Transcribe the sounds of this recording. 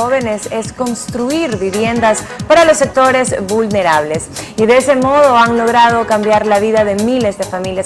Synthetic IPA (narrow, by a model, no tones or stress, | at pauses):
oβe̞ne̞se̞sko̞nst̪ɾuiɾβiβje̞nd̪as | paɾalo̞sːe̞k̚t̪o̞ɾe̞zβulne̞ɾaβ̞le̞siðe̞esemo̞ðo̞aŋlo̞ɣɾað̞o̞kambjaɾlaβiðaðe̞mile̞zðe̞familja